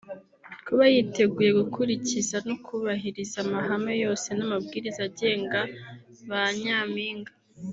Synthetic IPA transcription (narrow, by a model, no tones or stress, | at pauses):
kuβajite̞ɡuje̞ɡukʰuɾicizanokʰuβaɦiɾizamaɦame̞jo̞ːse̞namabɡiːɾizaɟe̞ːŋɡa | βaɲaːmiːŋɡa